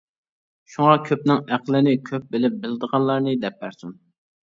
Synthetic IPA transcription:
ʃuŋɑkʲʰøpnɪŋæqlˠɪnɪkʲʰøp̚bɪlɪp̚bɪlɪd̪əʁɑnlˠɑɾnɨd̪ɛp̚ːæɾsum

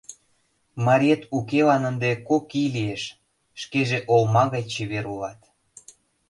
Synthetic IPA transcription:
mɑɾʲet̪ukelɑnənd̪ekokilieʃ | ʃkeʒeʔolmɑɣɑjt͡ɕeβeɾulɑt̪

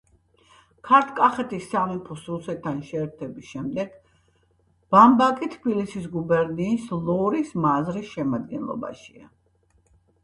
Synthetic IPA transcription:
kʰaɾt̪ʰkʼaχɛt̪ʰisːamipʰɔsusɛt̪ʰːanʃɛːɾt̪ʰɛbisʃɛmd̪ɛɡ̥ | b̥ambakʼit̪ʰbilisis̬ɡubɛɾniːslˠɔɾismazɾisʃɛmad̪̚ɡɛnlˠɔ̰ba̰ʃia̰

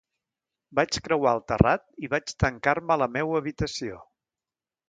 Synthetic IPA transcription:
bat͡ʃkɾəwalˠt̪ərat̪̚iβat͡ʃt̪əŋkaɾmələmewəβit̪əsio

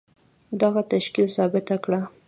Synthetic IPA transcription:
d̪aɣat̪aʃkilsɑbɪt̪akɽa

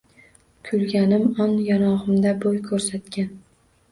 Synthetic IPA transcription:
kʰʊlɡʲanɪmɒnjanɒʁɨmd̪abojkʰɵɾsat̪kʲʰan

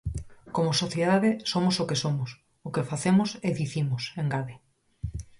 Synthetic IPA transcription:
komosoθjeðaðesomosokesomos | okefaθemoseðiθimoseŋɡaðe

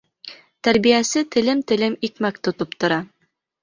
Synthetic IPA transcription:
t̪æɾbijæsɘt̪ɘ̆lɘmt̪ɘ̆lɘmikmæk̚t̪ŏt̪opt̪ŏɾɑ

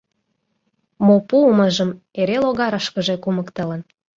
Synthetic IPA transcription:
mopuməʒəm | eɾeloɣɑɾəʃkə̆ʒe̽kuməkt̪ələn

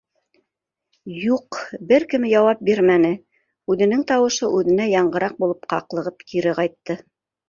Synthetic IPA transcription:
juqbɘɾkɘ̆mɘjɑwɑp̚biɾmænɘ | ʉðɘ̆nɘŋt̪ɑwɤ̆ʃɤʔʉðɘ̆næjɑɴɢɤ̆ɾɑq̚bulˠɤpqɑ̰qlˠɤ̆ʁɤpkʰiɾɘqɑjt̪ːɤ

